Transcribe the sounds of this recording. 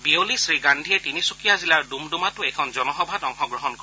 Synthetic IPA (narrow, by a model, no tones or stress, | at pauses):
biolisɹiɡandʱiɛtinisukijazilaɹdumdumatʊɛjkʰɔnzɔnɔxɔbʱatɔŋxɔɡɹɔɦɔnkɔ